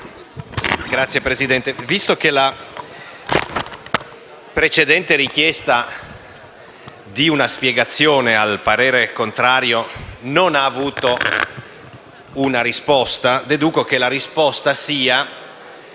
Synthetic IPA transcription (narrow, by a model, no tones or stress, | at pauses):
ɡɾat̪sːjepɾezid̪ɛnt̪evist̪okela | pɾet͡ʃed̪ɛnt̪eɾik̟jɛst̪a | d̪iunaspjeɡat̪sːjoːnealpaɾeːɾekont̪ɾaːɾjononaːvuːt̪o | unaɾispɔst̪ad̪ed̪uːkok̟elaɾispɔst̪asiːa